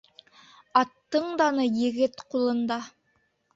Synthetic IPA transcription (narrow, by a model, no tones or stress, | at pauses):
ɑt̪ːɤɴd̪ɑnɤjɘ̆ɡɘt̪qulˠɤ̆nd̪ɑ